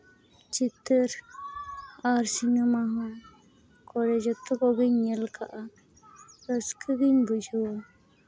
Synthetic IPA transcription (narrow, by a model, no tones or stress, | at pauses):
t͡ʃit̪əɾ | aɾsiɲɔmaɦɔ̃ | kɔɾɛd͡ʒɔt̪ɔɡɔɡɯɲːɛlkʰa̰ʔa | ɾɔskʰəɡiɲbud͡ʒʱɔwa